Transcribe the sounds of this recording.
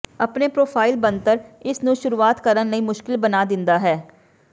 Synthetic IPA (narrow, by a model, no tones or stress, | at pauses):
əpneːpɾoːpʰaːɪlbə̃nt̪əɾɪsnũːʃʊɾuːaːt̪kəɾənləĩːmʊʃkɪlbənaːd̪ɪ̃nd̪aːɦɛː